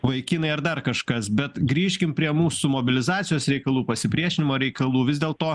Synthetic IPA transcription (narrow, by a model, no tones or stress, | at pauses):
ʋɐɪkʲiːnɐɪɐɾd̪ɐrkɐʃkɐsbʲɛt̪ɡɾʲiːʃʲkʲɪmpʲɾʲiɛmuːsʊmoːbʲɪlʲɪzɑːt͡s̪sʲɪjoːsɾʲɛɪkɐlˠuːpɐsʲɪpʲɾʲiɛʃʲɪnʲɪmoːɾʲɛɪkɐlˠuːʋʲɪzd̪ʲeːlˠt̪oː